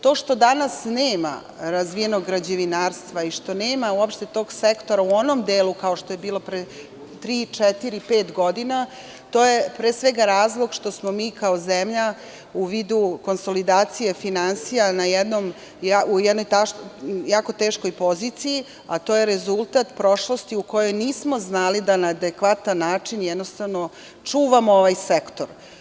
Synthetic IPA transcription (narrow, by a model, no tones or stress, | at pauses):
t̪o̞ːʂt̪o̞d̪anasneːma̰ | ɾazʋije̞no̞ɡːɾad͡ʑeʋinaːɾst̪ʋaiʃt̪o̞neːmauopʃt̪et̪o̞ːɡsekt̪o̞ɾauo̞nomd̪eːlukao̞ʃt̪o̞je̞biːlˠo̞pɾe | t̪ɾiːt͡ʂɛt̪iɾipeːt̪ɡo̞d̪ina | t̪oːje̞pɾeːsʋeɡaɾaːzlˠo̞ɡʃt̪o̞smo̞miːkaozemʎa | uʋiːd̪uko̞nso̞lid̪aːt̪sijefinansijanajɛd̪nom | jaujɛd̪nojt̪ajaːko̞t̪eːʃko̞jpo̞ziːt̪siji | at̪ojeɾezulˠt̪at̪pɾo̞ʃlo̞st̪iuko̞jo̞jniːsmo̞znalid̪anaːd̪ekʋat̪anːaːt͡ʂinjɛd̪nost̪aʋno̞ | t͡ʂuːʋamooʋajsekt̪oɾ